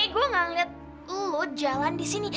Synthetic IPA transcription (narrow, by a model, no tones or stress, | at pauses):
ɡuaŋaŋlɪt̪̚ | lʊt̪̚d͡ʒalandisini